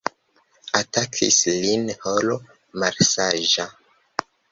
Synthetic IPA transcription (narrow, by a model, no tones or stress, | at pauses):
atakʰḭslinholo | malsaʒa